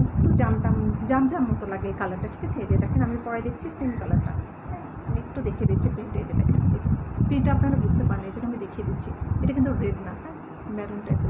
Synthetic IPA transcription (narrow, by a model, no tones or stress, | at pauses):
ekʈud͡ʑamʈad͡ʑamd͡ʑamːot̪olaɡekalaɾʈaʈʰi̥ket͡ɕʰed͡ʑeʈakinamipɔɽed̪ekʰt͡ɕʰisenkalaɾʈa̰ | amiek̚ʈud̪ekʰied̪it͡ɕʰipɾiɳʈaed͡ʑet̪ekʰket͡ɕʰepɾiɳʈaapnaɽabud͡ʑt̪epaɾnid͡ʑeʈamid̪ekʰied̪it͡ɕʰieʈak̬int̪uɾeɖnaɦɛe | mɛɾunʈaekːu